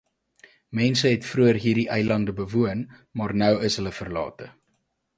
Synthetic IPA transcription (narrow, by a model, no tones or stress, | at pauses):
mɛnsəɦɛtfruərɦiːrdiʔəjlɐndəbəvuən | mɑːrnœwəsɦələfərlɑ̰ːtə